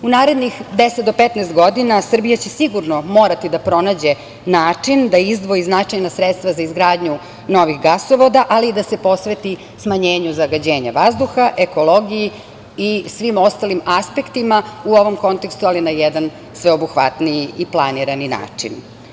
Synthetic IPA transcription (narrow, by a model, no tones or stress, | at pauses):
unaːɾe̞d̪nixd̪eset̪d̪opet̪nɛːst̪ɡo̞d̪inasr̩bijat͡ɕesiɡuɾnomoːɾat̪id̪apɾo̞naːd͡ʑe̞ | naːt͡ʂind̪aizd̪ʋo̞iznat͡ʂajnasɾet̪st̪vʋazaizɡɾaːd̪ɲu | no̞ʋixɡasoʋo̞d̪aʔaliːd̪asepo̞sʋet̪i | smaɲeːɲuzaɡad͡ʑeːɲaʋazd̪uxaʔeko̞lˠo̞ɡiji | isʋimo̞st̪alimaspe̞kt̪imauo̞ʋo̞mko̞nt̪ekst̪ualinajɛd̪an | sʋeobuxʋa̰t̪nijiiplˠaniɾanina̰ːt͡ʂḭn